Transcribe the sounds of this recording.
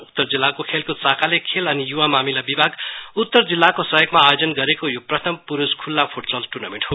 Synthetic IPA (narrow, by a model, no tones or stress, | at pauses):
ut̪ːʌrd͡zilːakokʰelkot͡sakʰalekʰelʌnijuwamamilabibʱaɡut̪ːʌrd͡zilːakosʌɦjʌɡmaːjod͡zʌnɡʌɾekojoprʌt̪ʰʌmpuɾuskʰulːapʰuʈbʌlʈunʌmeʈho